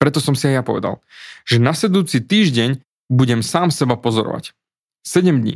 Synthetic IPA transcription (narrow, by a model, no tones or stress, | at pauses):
pɾɛt̪ɔsɔmsiajapɔʋɛ̰d̪a̰l | ʒɛnasɛd̪uːt͡sit̪iːʒɟɛɲ | buɟɛmsaːmsɛbapɔzɔɾɔ̰ʋa̰c | sɛɟɛmd̪ɲḭː